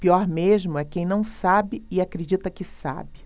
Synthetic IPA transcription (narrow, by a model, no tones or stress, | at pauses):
piɔɾmeʒmʊɛkẽj̃nɐ̃w̃sabɪɪakɾed͡ʒit̪ɐkɪsa̰bɪ